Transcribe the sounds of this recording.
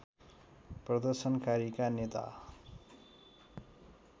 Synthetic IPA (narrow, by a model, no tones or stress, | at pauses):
prʌd̪ʌrsʌnkaɾikanet̪a̰